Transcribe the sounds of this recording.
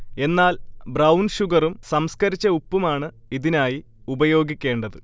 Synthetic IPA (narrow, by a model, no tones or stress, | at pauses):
e̞nːaːlbrɐwnɕuɡɐrumsɐmskɐɾit͡ɕːɐupːumaːɳɨ | iðinaːji | ubɐjo̞ːɡikʲːe̞ːɳɖɐðɨ